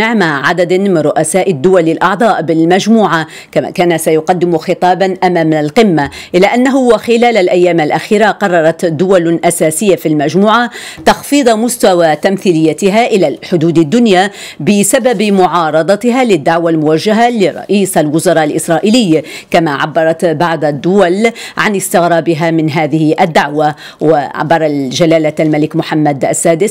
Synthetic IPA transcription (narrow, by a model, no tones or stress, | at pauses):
ɪʕmaʕad̪ad̪mɪnrɾʊʔasaːʔɪd̪ːʊwalɪlʔɑʕd̪ˤɑːʔbɪlmad͡ʒmuːʕa | kama̰ːkaːnasajʊqɑd̪ːɪmxɨt̪ˤɑːbanʔamamɪalqɪmːaʔɪlːaʔanːaɦʊwɪxɪlaːlalʔajːaːmalʔaxiːɾaqɑrˤːɑɾˤɑt̪d̪ːʊwalʔasaːsɪjːafilmad͡ʒmuːʕat̪ɑxfiːd̪ˤmʊst̪awat̪amθiːlɪjːat̪ɪɦaʔɪlalħʊd̪uːd̪ad̪ːʊnja | bɪsababmʊʕɑːɾˤɑd̪ˤɑt̪ɪɦalɪd̪ːaʕwalmʊwaʒːaɦalɪɾˤɑ̰ʔiːsalwʊzɑɾˤɑːʔalʔɪsɾˤɑːʔilɪjːkamaʕa̰bːɑɾˤɑt̪bɑʕd̪ˤad̪ːʊwalʕanɪst̪ɪɣɾɑːbɪɦamɪnɦaːðɪhɪʔad̪ːaʕwa | wɪʕa̰bːɑɾˤɑʒalaːlaalmalɪkmʊħamːad̪ʔasːaːd̪ɪs